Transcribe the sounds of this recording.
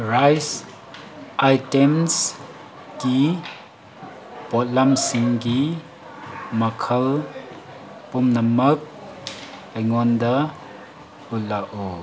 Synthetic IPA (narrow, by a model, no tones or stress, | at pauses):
ɾajs | ajtems | ki | pɔt̚lamsiŋki | mɐkʰəl | pumnɐmɐk̚ | ɐjŋɔnda | ulaʔɔ